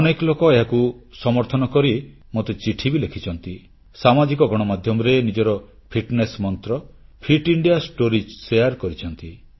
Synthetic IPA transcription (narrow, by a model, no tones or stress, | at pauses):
ɔneklokɔeɦakusɔmɔɾt̪ʰɔnɔkɔɾi | mot̪et͡ʃiʈʰibilekʰit͡ʃʰɔnt̪i | samad͡ʒik̬ɔɡɔɽ̃ɔmad̪ʱjɔmɔɾenid͡ʒɔɾɔ | pʰiʈnesmɔnt̪ɾɔpʰiʈiɳɖijasʈoɾisejaɾkɔɾit͡ʃʰɔnt̪i